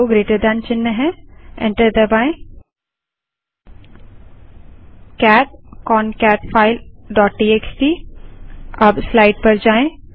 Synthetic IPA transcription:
oɡɾeːʈəɾd̪ãnt͡ʃɪnːəɦɛ̃ɛ̰̃ɳʈəɾd̪ɐbaːẽ | kɛːʈ̚kɔːnkɛːʈfʰaːɪlɖɔːʈːiːeksʈiː | ɐbslaːɪʈ̚pɐɾd͡ʒaːẽ

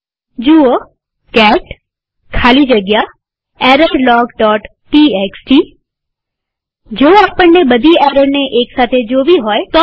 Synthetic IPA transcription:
d͡ʒuo | kɛːʈ | kʰaːlid͡ʒəɡja | ɛːɾəɾlɔːɡɖɔːʈ | ʈieːksʈiː | d͡ʒoːaːpəɽneɓɐd̪ʱiɛːɾəɾneʔeːksaːt̪ʰed͡ʑoːʋiɦoːet̪ɔ

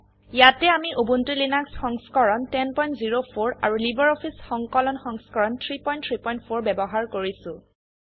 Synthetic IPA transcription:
jatɛamiʔobuntilinaksxɔŋskɔɹɔntɛnpɔjntziɹopʰoɹa̰ɹulibɔɹɔpʰisxɔŋkɔlɔnxɔŋskɔɹɔntʰɹipɔjntʰɹipɔjntpʰoɹbɛbɔɦaɹkoɹisʊ̃

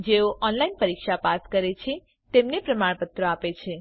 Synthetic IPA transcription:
d͡ʒeoʔɔnlainpəɾikʃapaskəɾet͡ʃʰe | t̪emnepɾəmaɭpət̪ɾoapet͡ʃʰe

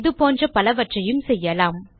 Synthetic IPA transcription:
ðɯpoːndrɐpɐlɐʋɐʈrɐjɯmsɛjːɐlaːm

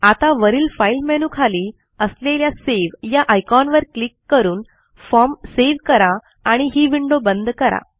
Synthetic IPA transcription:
at̪aʋəɾiːlfailmɛnũkʰaliː | əsleljaseʋjaʔajkɔnʋəɾklikːəɾuːn | fɔmseʋkəɾaː | ɽ̃iɦiːʋiɳɖobənd̪kəɾa̰

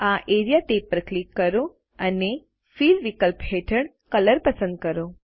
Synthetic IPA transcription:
aʔeɾijaʈepːɾəklikːəɾo | əne | filʋikəlpɦeʈʰəɳ | kələɾpəsə̃nd̪̚kəɾo

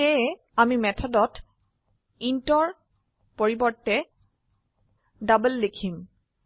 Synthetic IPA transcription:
ɛ | amimɛtʰɔdɔt | intɔɹ | poɹibɔɹtːɛ | dabəlːekʰim

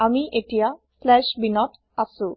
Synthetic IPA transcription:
amiʔeʈijaslɛʃbinɔʈ | asu

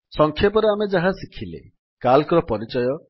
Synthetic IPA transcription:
sɔŋkʰjepɔɾeamed͡ʒaɦasikʰilḛ | kalkɔɾɔpɔɾit͡ʃɔjɔ

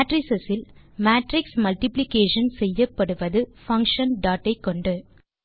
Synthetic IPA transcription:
ʈɾɪsɛsɪl | maːʈɾɪksmɐlʈɪplɪkeːʂɐnsɛjːɐpːɐɽɯʋɐðɯfɐŋkʂɐnɖaːʈːɐɪkːɔɳɖɯ

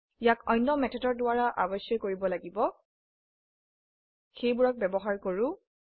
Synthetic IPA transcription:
jakɔjnːɔmɛtʰɔtɔɹdʊwaɹaʔa̰bɔsjɔjkoɹibɔlaɡibɔ | xejbuɹak̚bɛbɔɦaɹkoɹʊ̃

